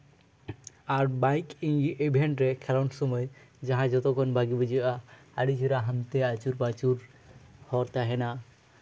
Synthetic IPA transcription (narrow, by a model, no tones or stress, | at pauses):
aɾbajkiŋiʔebʱeɳʈɾɛkʰɛlansɔmɔjd͡ʒaɦãd͡ʒɔt̪ɔkʰɔnbʱaɡibud͡ʒia | aɽid͡ʒiɾaɦamt̪ɛat͡ʃuɾbat͡ʃuɾ | hɔɾt̪aɦɛna